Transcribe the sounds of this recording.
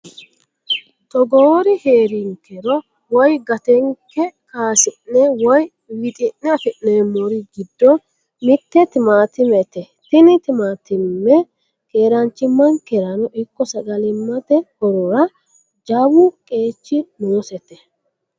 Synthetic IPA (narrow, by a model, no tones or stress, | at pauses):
t̪ɔɡoːɾɪheːɾɪŋkɛɾɔ | wɔjɡɐt̪ɛŋkːɛkaːsɪnːɛwɔj | wɪt̪ʼɪnːɛɐfɪʔːemɔɾɪɡɪd̪ːɔ | mɪt̪ːɛt̪ɪmaːt̪ɪmɛt̪ɛ | t̪ɪnɪt̪ɪmaːt̪ɪmːɛ | keːɾɐnt͡ʃːɪmːɐŋkɛɾɐnɔʔɪkːɔsɐɡɐlɪmːɐt̪ɛhɔɾɔɾɐ | d͡ʒawʊkʼe̞ːt͡ʃːɪnoːsɛt̪ːɛ